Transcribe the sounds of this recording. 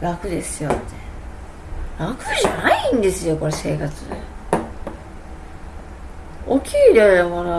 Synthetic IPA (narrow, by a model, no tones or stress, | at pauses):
ɾakɯ̟d̪e̞sɨjot̪ːe | ɾakɯʑanaĩnd̪e̞sɨjoko̞ɾese̞̰ːkat͡sɨd̪ḛ | okʲʰiːd̪ʲoemono